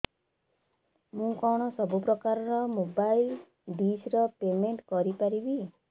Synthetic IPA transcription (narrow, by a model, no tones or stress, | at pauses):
mũkɔɽ̃ɔsɔbupɾɔkaɾɔɾɔmobajl | bisɾɔpemeɳʈkɔɾipaɾibi